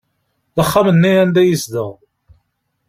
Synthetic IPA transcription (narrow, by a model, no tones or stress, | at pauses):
ðəχːamənːiænd̪æjəsd̪əʁ